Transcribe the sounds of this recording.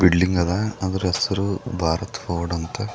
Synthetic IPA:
biɖliŋɡɐd̪ɐɐd̪ɐɾesɐɾubʱaːɾɐt̪foːɖɐnt̪ɐ

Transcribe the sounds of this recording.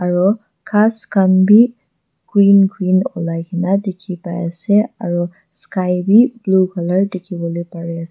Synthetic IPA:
aɹɔ | kʰaskanbi | ɡ̥ɹinɡɹinɔ̰lajkʰinadekʰipaja̰sea̰ɹɔ | skajbiblukʰaləɹdikʰibɔlɔjpaɹease

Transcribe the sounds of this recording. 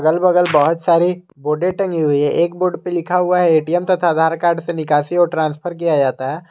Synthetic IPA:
ɡəlbɐɡəlbɐɦʊt̪saːɾi | boːɖẽʈɐ̃ŋɡiɦʊiɦɛʔeːkboːɖpelɪkʰaɦʊaɦɛeːʈiɛmt̪ɐt̪ʰad̪ʱaːɾkaːɾɖsenɪkaːsiɔːɾʈɾãːnspʰəɾk̬ijad͡ʒaːt̪aɦɛː

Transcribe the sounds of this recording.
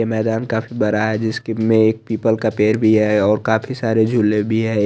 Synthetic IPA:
emɛːd̪aːnkaːfʰibɐɾaɦɛd͡ʒɪskmẽeːk̚piːpəlkapeːɾbʱiɦɛɔːɾkaːpʰisaːɾed͡ʒʱʊlebʱiɦɛ

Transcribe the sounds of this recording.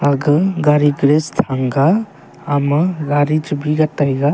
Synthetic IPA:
aɡɯɡaɾiɡɾest̪ʰaŋɡaː | məɡaɾid͡ʒbiɡatajɡa

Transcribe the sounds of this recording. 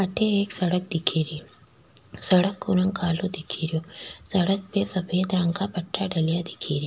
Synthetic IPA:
ʔɐʈeeksɐɽɐk̚d̪ɪkʰiɾi | sɐɽɐkːunɐŋkaːloːd̪ɪkʰiɾosɐɽɐk̚besɐɸeːd̪ɾɐŋkapɐʈːaɖɐlijad̪ɪkʰiːɾi

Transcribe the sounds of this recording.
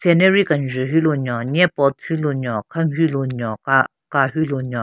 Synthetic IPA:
sɛnɛɹikanʐəɦyloɲɔɲɛpɔt̪̚hyloɲɔkʰamɦyloɲɔka | kaɦyloɲɔ

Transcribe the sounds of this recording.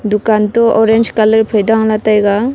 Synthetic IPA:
d̪ukantɔʔɔɾend͡ʒkaləɾpʰɯjdaŋlatajɡa

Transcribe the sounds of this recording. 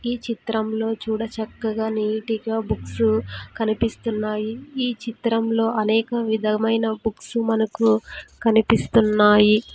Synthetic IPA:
iːt͡ʃit̪ɾɐmlo̞ːt͡ʃuːɽɐt͡ʃɐkːɐɡaːniːʈiɡaːbuksukɐnipist̪unːaːjiiːt͡ʃit̪ɾɐmlo̞ːʔɐnɛːkɐʋid̪ʱɐmɐjnɐbuksumɐnɐkukɐnipist̪unːaːji

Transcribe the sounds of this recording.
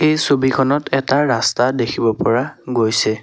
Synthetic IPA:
ejsobikʰɔnɔtɛtaɹastadekʰibɔpɔɹaɡojsɛ

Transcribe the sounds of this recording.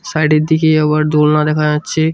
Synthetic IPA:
sajɖeɾd̪ikeɔbaɾd̪olnad̪ɛkʰad͡ʑatːɕʰe

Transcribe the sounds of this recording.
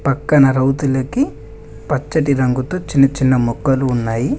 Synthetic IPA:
pɐkːɐnɐɾɐwt̪ulɐki | pɐt͡ʃːɐʈiɾɐŋɡut̪oːt͡ʃinːɐt͡ʃinːɐmukːɐluːnːaːji

